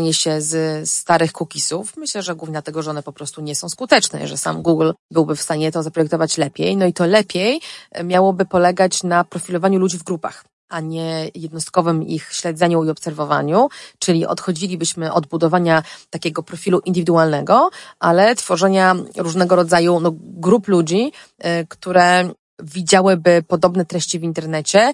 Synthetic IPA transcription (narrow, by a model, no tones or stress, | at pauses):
ɲɛɕɛzst̪aɾɘxkukʲisufmɘɕlɛʐɛɡwuvɲɛd̪at̪ɛɡɔʐɛɔnɛpɔpɾɔst̪uɲɛsɔ̃w̃skut̪ɛt͡ʂnɛ̰ʐɛsa̰mɡuɡlbɘwbɘfst̪aɲɛt̪ɔzapɾɔjɛk̚t̪ɔvat͡ɕlɛpʲjejnɔit̪ɔlɛpʲjejmʲjawɔbɘpɔlɛɡat͡ɕnapɾɔfʲilɔvaɲulud͡ʑivɡɾupa̰x | ʔaɲɛjɛd̪nɔst̪̚kɔvɘmḭxɕlɛd̪zɛɲuiɔpsɛɾvɔva̰ɲut͡ʂɘlʲiʔɔ̰t̪xɔd͡ʑilʲibɘɕmɘʔɔd̪̚bud̪ɔvaɲat̪akʲɛɡɔpɾɔfʲiluʔind̪ɘvʲid̪ualnɛɡɔʔalɛt̪fɔʐɛɲaɾuʐnɛɡɔɾɔd̪zajunɔɡɾuplud͡ʑikt̪uɾɛ | vʲid͡ʑawɘbɘpɔd̪ɔbnɛt̪ɾɛɕt͡ɕivʲint̪ɛɾnɛt͡ɕɛ